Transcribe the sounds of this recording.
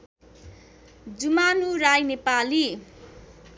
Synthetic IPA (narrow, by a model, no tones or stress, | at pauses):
d͡zumanuɾajnepali